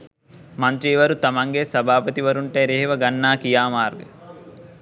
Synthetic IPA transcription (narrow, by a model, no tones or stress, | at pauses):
mɐnt̪ɾiːʋɐɾut̪ɐmɐŋɡeːsɐbʱaːpɐt̪iʋɐɾuɳʈeːɾeɦʋɐɡɐnːaːkijaːmaːɾɡɐ